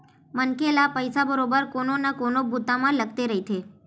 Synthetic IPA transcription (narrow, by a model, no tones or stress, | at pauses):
mənkelapəjsabəɾobəɾkononakonobut̪amãləɡt̪eɾəɦit̪ʰe